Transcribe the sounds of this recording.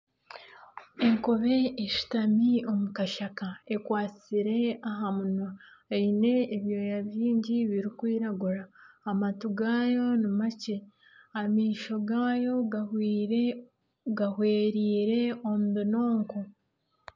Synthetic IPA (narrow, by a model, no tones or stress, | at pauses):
e̞ŋkoβe̞eʃu̥tamio̞mukaʃakae̞kwaːt͡siɾe̞aɦamuna | aine̞ːβjo̞jaβiːɲɟiβiɾikwiːɾaɡuɾaːmatuɡaːjo̞nimace̞ | amiːʃo̞ɡaːjo̞ɡahwiːɾe | ɡahwe̞ːɾiːɾe̞omudino̞ːŋko